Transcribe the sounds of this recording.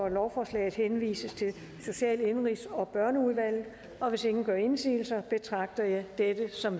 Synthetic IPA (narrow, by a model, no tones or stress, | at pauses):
ɒlɒʊfɒːslɛ̰ːɪð̞̩ˠhenʋḭːsəst͡sʰe̝l | so̝ɕɛ̰ːle̝nʁisɒ̽b̥ɶɐnəuðˠʋæl̰ð̩ˠ | ʔɒ̽ʋe̝se̝ŋn̩ɡ̥ɶɐe̝nsḭːl̩sɐb̥e̝t͡sʰʁɑ̈ɡ̥̚d̥ɐjɑ̈ɪd̥ed̥əsɒ̽m